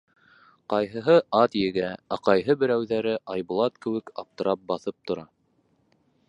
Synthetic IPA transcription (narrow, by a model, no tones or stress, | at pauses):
qɑjɦɤ̆ɦɤɑt̪jɘ̆ɡææqɑjɦɤbɘ̆ɾæwðæɾɘʔɑjbŏlˠɑt̪kɘ̆wɘ̆kɑp̚t̪ɤ̆ɾʔɑp̚bɑθɤp̚t̪ŏɾɑ